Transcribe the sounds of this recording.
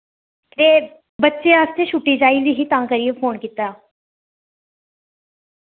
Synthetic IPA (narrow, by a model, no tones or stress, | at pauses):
t̪eː | bətːʃeːaːst̪eːʃʊʈːiːd͡ʒaːiːʋiːɦiːt̪ãːkəɾiːepʰoːnkit̪aː